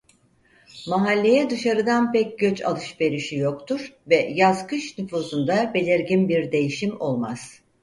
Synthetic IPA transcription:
maɦalʲːe̞jɛd̪ɯʃaɾɯd̪anpɛc̚ɟøt͡ʃa̰lˠɯʃbe̞ɾiʃijo̞kt̪ʰuɾ̥vɛjazkɯʃnyfuːzund̪abe̞lʲiɾɟinbiɾd̪e̞jiʃimo̞̰lˠmaz̥

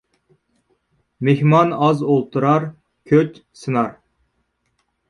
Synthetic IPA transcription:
mehmɑnɑzolˠt̪ʰuɾɑɾ | kʲʰøt͡ʃʲsɨnɑɾ

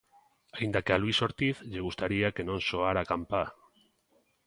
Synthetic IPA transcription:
aind̪akealuiso̞ɾt̪iθʎeɣ̞ust̪aɾiake̞nõ̞nsoaɾakampa

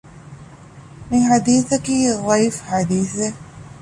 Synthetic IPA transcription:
mɪħad̪iːθakiðˤɑjfħad̪iːθɪ

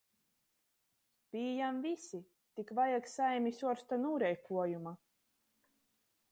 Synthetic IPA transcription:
b̥iːjamvisi | t̪ikvajaksajmisuɔɾst̪anuːɾɛjkʰuɔjuma

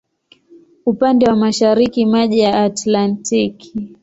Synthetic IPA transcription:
upandɛwamaʃaɾikimaʄijaːtlantikʰi

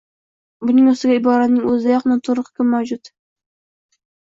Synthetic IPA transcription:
bʊnɪŋost̪ɪɡʲaɪbɒɾat̪nɪŋɵzɪd̪ajɒqnɪt̪ʰʊɾʊqkʰʲɪmːawd͡ʒʊt̪

